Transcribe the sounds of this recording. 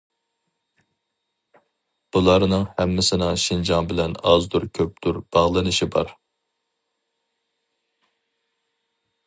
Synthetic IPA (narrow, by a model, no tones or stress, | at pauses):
b̥ulˠɑɾnɨŋhɛmːɪsɪnɨʃind͡ʒɑnbɪlɛnɑzd̪uɾkʲʰøp̚d̪̥uɾb̥ɑʁlˠɨnɨʃibɑ̰ɾ